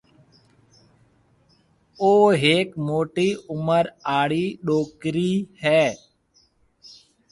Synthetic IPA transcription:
oːɦeːkmoːʈiːʊməɾaːɽiːɗoːkɾiːhɛː

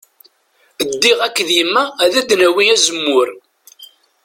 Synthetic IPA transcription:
əd̪ːiʁækːðjəmːæːðæd̪næwiæzəmːʊɾ

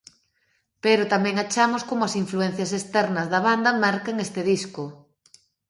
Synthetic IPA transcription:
peɾʊt̪amɛ̃ŋat͡ʃamʊskomoɐsiɱfluɛn̟θjɐsest̪ɛɾnɐzðɐβand̪ɐmaɾkeŋest̪ɪðiskʊ

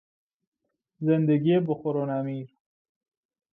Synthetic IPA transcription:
zend̪eɡieboxoɾonamiːɾ

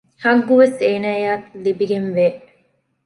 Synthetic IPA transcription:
hɐŋɡːuʋeseːnaːjaːt̪libiɡenʋeː

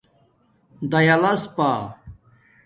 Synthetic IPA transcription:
d̪ɐjɐlɐspa

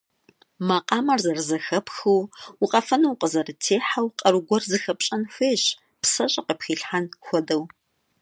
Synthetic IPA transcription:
maqʼɑːmɐrzɐrzɐxɐpxuwʊqʼɐfɐnɐwqʼəzɐrɨtʰeːħawqʼɐɾɨɡʷɔrzɨxɐpɕʼɐnxeːɕ | psɐɕʼɐqəpxiːɬħanxʷɔdɐw

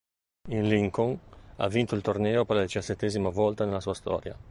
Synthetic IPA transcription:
inliŋkoŋa̰vːint̪oilt̪ornɛːopɛrlad̪it͡ʃaset̪ːeːzimavɔlt̪anelasuːast̪ɔ̰ːɾja̰

